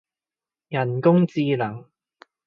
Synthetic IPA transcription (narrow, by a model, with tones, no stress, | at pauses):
jɐ˨˩nkʊ˥ŋt͡siː˧lɐ˨˩ŋ